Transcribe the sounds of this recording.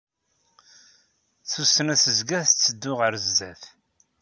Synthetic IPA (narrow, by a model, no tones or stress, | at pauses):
θusːənæsəzɡæθt͡sːəd̪ːʊʁəɾəzːæθ